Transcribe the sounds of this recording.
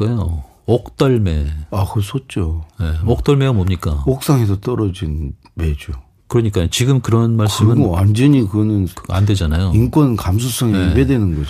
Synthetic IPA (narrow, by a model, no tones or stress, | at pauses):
kajo | ʌk̚t͈aɭme̞akɯsʰot̚t͡ɕ͈oje̞ʌk̚t͈ʌɭme̞ɡamʌmɲik͈a̰ok̚s͈aŋɦes̬ʰʌt͈ʌɾʌd͡ʑin | med͡ʑo | kɯɾʌɲik͈ajot͡ɕiɡɯmkɯɾʌnmaɭs͈ɯɯnand͡ʑʌɲikɯɡʌnɯna̰nde̞d͡ʑanajoink͈wʌnkams̬ʰus͈ʰʌŋeibedwenɯnɡʌd͡ʑ